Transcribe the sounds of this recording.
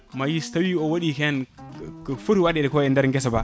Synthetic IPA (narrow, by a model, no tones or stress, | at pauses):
majistawiowaɗikenkfuɾwaɗedkoendaɾŋɡesaba